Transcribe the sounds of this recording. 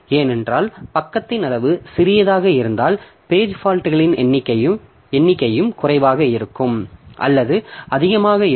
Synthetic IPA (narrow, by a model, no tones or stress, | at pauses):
eːnɛndraːlpɐkːɐt̪ːɪnɐlɐʋɯsɪɾɪjɐðaːɣɐɪɾɯnd̪aːl | peːd͡ʒfaːlʈːɯɣɐɭɪnɛnːɪkːɐjɯm | ɛnːɪkːɐjɯmkʊrɐɪʋaːɣɐɪɾɯkːɯmʔɐ̰lːɐðɯɐðɪɣɐmaːɣɐɪ